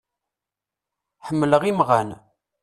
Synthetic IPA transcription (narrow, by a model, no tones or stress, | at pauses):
ħəmːləʁimʁæn